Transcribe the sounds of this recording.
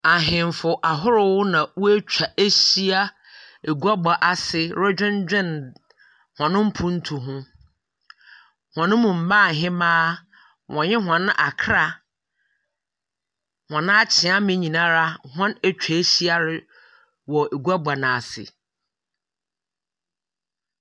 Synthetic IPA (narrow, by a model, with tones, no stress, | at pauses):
a˨ɦɪ̃˨m˨fʊ˨ʔa˨ɦʊ˦ɾʊ˨wʊ˦nã˨wʊ˦æ˦t͡ɕᶣa˨ʔe˦ɕi˦a˦ | e˨ɡu˦a˦ɡ͡ba˨ʔa˨sɪ˦ɾo˦d͡ʑᶣʊ̃˦nd͡ʑᶣɪ̃˦n | hɔ̃˨nʊ̃˦m̩˦pʰʊ̃˦n̩˦tʰu˨ɦʊ̃˦ | hɔ̃˨nʊ̃˦mũ˨m̩˨bã˦˨ɦɪ̃˦mãː˦ | wʔɔ̃˨ɲɪ̃˦ɦɔ̃˨nʊ̃˦ʔa˨kʰɾa˨ | hɔ̃˨nʊ̃˦a˦t͡ɕʰɪ̃˨ã˦mɪ̃˨ɲĩ˨nã˦ɾa˦ɦɔ̃˦næ˨t͡ɕᶣʰa˨e˦ɕi˦a˦ɾɪ˨˦ | wɔ˨e˨ɡu˦a˦ɡ͡ba˨nã˨a˨sɪ̰˨